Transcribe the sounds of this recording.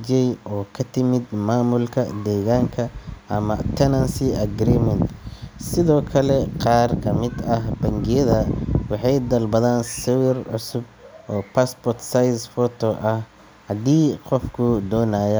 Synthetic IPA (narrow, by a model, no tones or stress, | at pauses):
d͡ʒɛjɔːkʰɐt̪ʰɪmɪd̪maːmʊlkʰɐd̪ɛːɣaːŋkʰɐʔɐmɐ̰t̪ʰɛnɐnsiɐɡɾiːmɛnt̪sɪðɔːkʰɐlɛqɑːrkʰɐmɪd̪ɐɦbɐŋɡɪjɐðɐwɑħɑjd̪ɐlbɐðaːnsɐwɪrʕʊsʊb̚ʔɔːpʰaspɔrt̪sajsfɔt̪ʰɔʔɐh | ɐd̪iːqɔfkʰʊd̪ɔːnaːjɛ